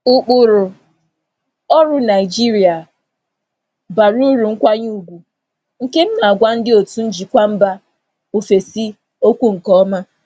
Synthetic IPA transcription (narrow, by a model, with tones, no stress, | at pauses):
ʊ˦k͡pʊ˨ɾʊ˨ | ɔ˦ɾʊ˦na˨ɪ˨d͡ʒi˦ɾi˨a˨ | ba˨ɾu˦ɾu˨ŋ̩˦kʷa˦ɲu˦˨ɡʷu˨ | ŋ̩˨ke˦m̩˦na˨a˨ɡʷa˦n̩˦dɪ˦o˨tu˦n̩˦d͡ʒi˨kʷa˦m̩˦ba˦ | o˨fe˨si˦ | o˦kʷu˦ŋ̩˨kɔ˦ma˦